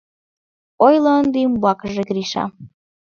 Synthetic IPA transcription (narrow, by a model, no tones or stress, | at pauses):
ojlɤːnd̪imbɑkʒeɡɾiʃɑ̰